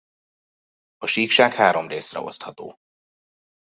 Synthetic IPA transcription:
ɒʃiːkʃaːkhaːɾo̞mreːsrɛ̰o̞̰st̪hɒt̪oː

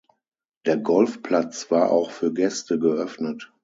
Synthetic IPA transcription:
d̥eːɐɡɔlfpl̥at͡sv̥aːɐʔa̰ʊxfyːɐɡɛstəɡəʔœfnət

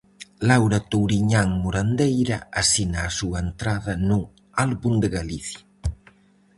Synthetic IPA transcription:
lawɾat̪owɾiɲaŋmoɾand̪ejɾaasinaːsuaent̪ɾaðɐnu | alβund̪eɣaliθja

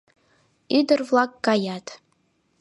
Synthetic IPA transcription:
idɨrvlˠak̚ːajatʰʼ

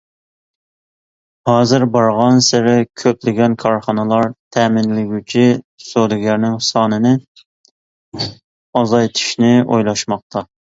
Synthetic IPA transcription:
hɑːzɪɾbɑɾʁɑnsɪɾɪkʲʰøplɪɡʲɛnkʰɑɾχɑnɨlˠɑɾt̪ʰæːmɪnlɪɡʲyt͡ʃʰi | sod̪ɪɡʲæɾnɪŋsɑːnɨnɪ | ɑzɑjt̪ʰy̥ʃnɪo̰jlˠɑʃmɑq̚t̪ʰɑ

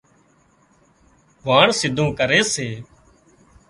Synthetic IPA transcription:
ʋaːɳsɪd̪ʱũːkəɾeːseː

